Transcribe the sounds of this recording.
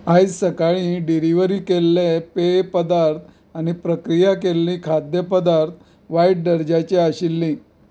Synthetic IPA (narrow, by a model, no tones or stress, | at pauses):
ajd͡zsəkaɭĩːɖiɾiʋəɾiːkelːepepəd̪aɾt̪ʰ | añipɾəkɾijakelːĩːkʰad̪jəpəd̪aɾt̪̚ʰ | ʋajʈ̚ɖəɾd͡ʑat͡ɕeaɕilːĩ